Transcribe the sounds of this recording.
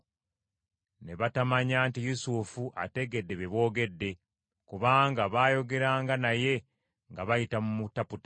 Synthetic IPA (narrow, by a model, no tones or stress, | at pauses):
ne̞βatamaɲaːntijusufuʔa̰te̞ɡe̞dːe̞βeβo̞ːɡe̞dːe̞ | kuβaːŋɡaβaːjo̞ɡe̞ɾaːŋɡanaje̞ | ŋɡaβajitamumutaputḁ